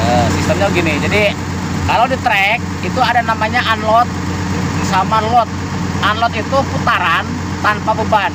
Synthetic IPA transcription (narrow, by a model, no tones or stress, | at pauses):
əsist̪əmɲaɡinid͡ʒadi | kalawdit̪ɾɛk̚ | it̪uadanamaɲaʔanlɔt̪̚ | samalɔt̪̚ | anlɔt̪̚it̪uput̪aɾan | t̪anpabəban